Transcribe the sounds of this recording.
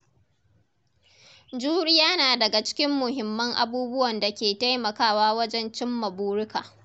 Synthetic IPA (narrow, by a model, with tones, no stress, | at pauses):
d͡ʒuː˦ɽɪ˦jaː˦naː˨dɐ˨ɡa˨t͡ʃɪ̥˦kʲɪ˦mːʊ˨hɪ˨mːɐ˦ŋʔa̰˨buː˦bʊ˦wɐ˨nda˨kʲeː˨ta˦jmɐ˨kaː˦waː˦wɐ˦d͡ʒɛ˦nt͡ʃɪ˦mːɐ˨buː˦ɽʊ˦ka̰ː˨